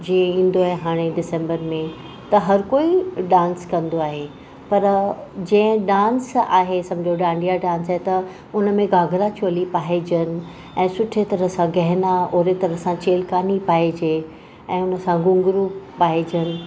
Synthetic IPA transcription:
d͡ʑiẽĩːn̆d̪oaːɦeɦaːɽ̃eɖɪsẽːmbəɾmẽ | t̪ɐɦɐɾkoːiɖãːnskɐ̃nd̪oaːɦe | pɐɾd͡ʑɛ̃ɪ̃ɖãːnsaːɦesɐ̃md͡ʑʱjoɖãːɳɖijaɖãːnsaːɦet̪ɐ | ʊnəmẽɡaːɡʱɾat͡ɕoːlipaːɦed͡ʑənɪ̆ | ɛ̃ːsʊʈʰet̪ɐɾəsãɡɐɦɪnaoːɾet̪ɐɾəsãt͡ɕeːlkaːnipaːɦid͡ʑeː | ɛ̃ːʊnəsãɡʊ̃ŋɡɾuːaːɦed͡ʑənɪ̆

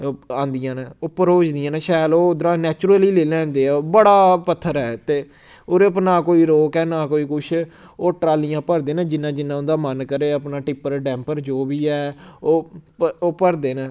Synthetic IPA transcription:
ãːnd̪ɪjãːnɛ̃ːʊpːəɾɦoːd͡ʒd̪ijãːnɛ̃ːʃaːloːʊd̪ɾãːnɛːt͡ʃʊɾəliːleːlɛ̃ːnd̪eːɛːbəɽaːpət̪ʰːəɾɛːt̪eː | oːɾepnãːkoːiːɾoːkɛːnaːkoːiːkʊʃʰ | oːʈɾaːlijãːpəɾd̪eːnãːd͡ʒɪnːãːd͡ʒɪnːãːʊnd̪aːmənkəɾeːəpnãːʈɪpəɾɖɛ̃ːmpəɾd͡ʒoːbiːɛːoːoːpəɾd̪eːnãː

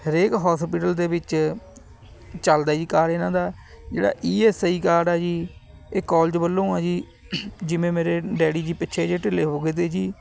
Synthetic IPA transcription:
həɾeːkɦɔːspɪːʈəld̪eːbɪt͡ʃ | t͡ʃəld̪aːd͡ʒiːkaːɾeːnãːd̪aː | d͡ʒḛːɽa̰ːʔiːeːsiːkaːɖɛːd͡ʒiː | eːkɔːld͡ʒbəlːõːãːd͡ʒiː | d͡ʒɪʋẽːmeːɾeːɖɛːɽiːd͡ʒiːpɪʃʰeːd͡ʒeːʈɪleːɦoːɡeːt̪̬eːd͡ʒiː

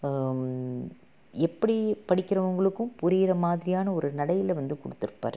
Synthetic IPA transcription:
ɛpːɐɽipɐɽɪkːɪɾɐʋɐŋɡɐɭɯkːɯ̃mpʊɾijɾɐmaːðɪɾɪjaːnɐɔɾɯnɐɽɐjɪlʋɐnd̪ɯkɔɽɯt̪ːɯɾɯpːa̰ːɾ

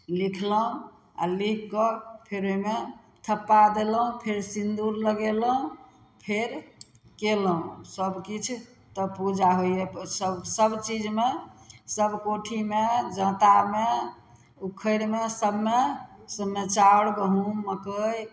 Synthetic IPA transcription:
likʰləɦũ | a̰likːɔpʰeɾoime | t̪ʰəpːad̪eləɦũpʰeɾsind̪uɾləɡeləɦũ | pʰeɾ | keləɦũsəbkit͡ʃʰ | t̪ɔpud͡ʒaɦojjesəbsəbt͡ʃid͡ʒmesəbkoʈʰimed͡ʒə̃t̪ame | ukʰəɾmesəbmesəbmːet͡ʃaɽbəɦũːəkəj

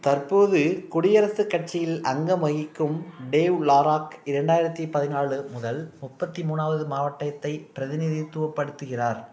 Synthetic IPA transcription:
t̪ɐrpoːðɯkʊɽɪjɐɾɐsɯkːɐʈ̚t͡ʃɪjɪlɐŋɡɐmɐɣɪkːɯmɖeːʋlaːɾaːkɪɾɐɳɖaːjɪɾɐt̪ːipɐðɪnaːɭɯmʊðɐlmʊpːɐt̪ːimuːnaːʋɐðɯmaːʋɐʈːɐjɐt̪ːɐɪpɪɾɐðɪnɪðit̪ːʊʋɐpːɐɽɯt̪ːɯɣɪraːɾ

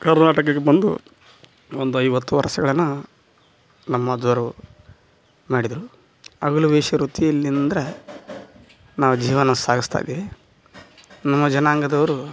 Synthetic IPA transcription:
kɐɾnaːʈɐkɐɡebɐnd̪ṵ | ond̪uɐjʋɐt̪ːuʋɐɾɐsɐɡɐɭɐnːu | nɐmːɐːd̪ʋɐɾɐ | maːɽid̪ɾu | ɐɡɐluʋeːʃɐɾut̪ijɐlːinnd̪ɐɾɐ | naːʋud͡ʒiːʋɐnɐsaːɡist̪ʰa̰jd̪iʋi | nɐmːɐd͡ʒɐnaːŋɡɐd̪ɐʋɐɾu

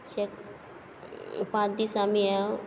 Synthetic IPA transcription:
ɕek | pãd̪isamija

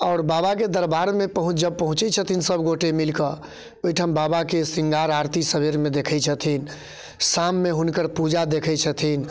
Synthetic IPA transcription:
ɔʊɾbabak̬ed̪əɾbaɾmepəɦũt͡ʃd͡ʒəb̚pəɦũt͡ʃɛt͡ʃʰət̪ʰinsəbɡoʈemilkə | ojʈʰambabakesiŋɡaɾaɾt̪isəbʱeɾmed̪ekʰəjt͡ʃʰət̪ʰin | samːeɦunkəɾpud͡ʒad̪ekʰəjt͡ʃʰət̪ʰin

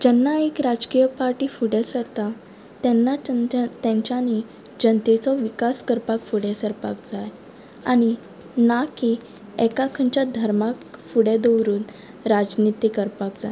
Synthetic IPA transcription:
d͡ʑɛnːaekɾad͡zkijəpaɾʈiːfuɽesəɾt̪a | t̪ɛnːat̪ɛ̃ɲt͡ɕani | d͡ʑənt̪et͡sɔʋikaskəɾpakfuɽɛsəɾpa̰k̚d͡zaj | a̰ɽ̃i | naki | ɛkakʰə̃ɲt͡ɕjad̪ʱəɾmakfuɽed̪əwɾuːn | ɾad͡ʑnit̪ikəɾpak̚d͡za̰l

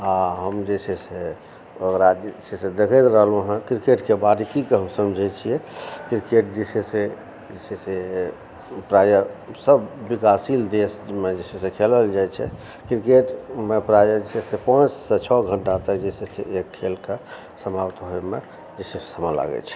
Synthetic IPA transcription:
aɦəmd͡ʒesʰɛse | okɾad͡ʒesesed̪ekʰət̪ɾəɦlũɦə̃kɾikeʈkebad̪ikikeɦəmsəmd͡ʒʱət͡ʃʰijɛkɾikeʈ̚d͡ʒesese | d͡ʒesɛse | pɾajəsəbːikasild̪esmed͡ʒesʰɛsekʰeləld͡ʒajt͡ʃʰɛ̰ | kɾikeʈmepɾajəd͡ʒesʰɛsepə̃t͡ʃset͡ʃʰɔɡʱəɳʈat̪əkd͡ʒeseseekʰːelke | səmʱabt̪ɦojme | d͡ʒesessəməla̰ɡɛ̰t͡ʃʰɛ̥

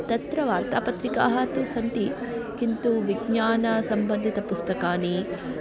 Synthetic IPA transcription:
t̪ɐt̪ɾɐʋaːɾt̪aːpɐt̪ɾika̰ːɦɐt̪usɐnt̪ikint̪uʋiɡɲaːnɐsɐmbɐnd̪ʱit̪ɐpust̪ɐkaːni

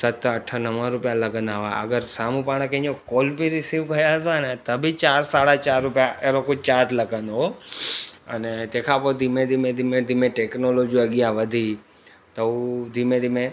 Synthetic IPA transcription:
sət̪ʰːəʈʰənəmãɾʊpjaləɡə̃nd̪aːɦʋaə̰ɡəɾsamũpaɽ̃əkẽokolpiɾɪsiʋkəjaɦt̪anet̪əbʱit͡ʃaːɾsaɽat͡ʃaːɾːʊpjãʔeɾokʊt͡ʃaːɾʈləɡə̃nd̪o | ə̰net̪ekʰapod̪ʱimẽd̪ʱimẽd̪ʱimẽd̪ʱimẽʈeknolod͡ʒiəɡɪjãʋəd̪ʱi | t̪əud̪ʱimẽd̪ʱimẽ

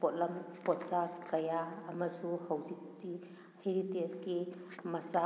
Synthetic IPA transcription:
pɔt̚lɐmpɔsakɐjaːmɐsuhawzikti | heɾitesɡimɐsa

